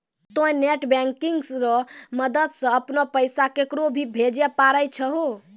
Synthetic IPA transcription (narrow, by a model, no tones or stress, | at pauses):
t̪õẽneʈbɛ̃ŋkiŋɡsɾəməd̪əd̪sə̃əpnɔpəjsakekɾobʱibʱed͡ʒɛpaɾəjt͡ʃʰəɦo